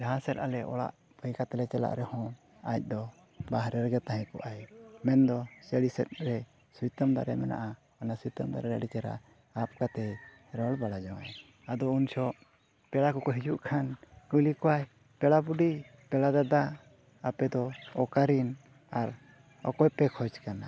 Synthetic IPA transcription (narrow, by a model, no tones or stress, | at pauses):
d͡ʒaɦasɛɾ̚a̰lɛʔɔ̰la̰ʔ | bəjkat̪ɛlɛt͡ʃɛla̰ʔɾɛhɔ̃ | ac̚ˀd̪ɔ | baɦɾɛɾɛɡɛt̪aɦɛ̃kɔʔajmɛnd̪ɔsəɽisɛ̰t̪̚ɾɛ | sujt̪amd̪a̰ɾɛmɛna̰ʔa | anasujt̪əmd̪a̰ɾɛɾa̰ɽit͡ʃaɾa̰ | ap̚kat̪ɛ | ɾɔɽbaɽad͡ʒawa̰j | ad̪ɔunt͡ʃʰɔʔ | pɛɽakɔkɔɦid͡ʒuʔkʰankulikɔwaj | pɛɽabuɖi | pɛlad̪ad̪aː | pɛd̪ɔɔkaɾin | aɾ | ɔ̰kɔjpɛkʰɔt͡ʃkana